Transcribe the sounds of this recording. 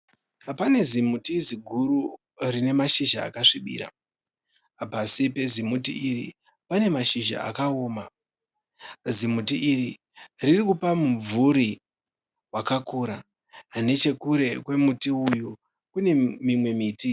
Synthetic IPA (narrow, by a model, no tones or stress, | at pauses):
pane̞zimutiziɡʱuɾu | rine̞maʃiʒa̰ːkaʂiɓḭːɾa̰ː | pasipe̞zimutḭiri | pane̞maʃiʒa̰a̰kaoːma | zimutiʔːri | ririkupamuvuɾi | wakakuɾa | ne̞t͡ʃe̞kuɾe̞kwe̞mutiuju | kune̞mimwe̞miːti